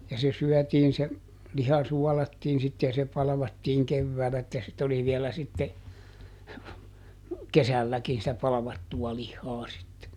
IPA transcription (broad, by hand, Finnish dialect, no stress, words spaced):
jɑ se syœˑtiːn se lihɑ suɔlɑtːiːn sit jɑ se pɑlɑ̆ʋɑtːiːŋ keʋːæːlæ etːæ sit oli ʋielæ sitːe kesælːækin sitæ pɑlɑ̆ʋɑtːuɑ lihːɑː sitːe